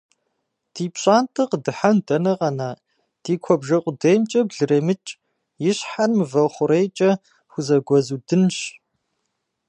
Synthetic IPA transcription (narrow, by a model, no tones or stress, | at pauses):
d̥iːpɕʼaːntʰʼɨqdɨħandɐnɐʁɐnaː | d̥iːkʷʰɔbʒɐqʷʼʊdejmt͡ʃʼɐbɮɨɾeːmɨt͡ʃʼ | jɪɕħanmɨvɐχʷʊɾeːjt͡ʃʼɐ | xʷʊzɐɡʷɔzuːdɨnɕ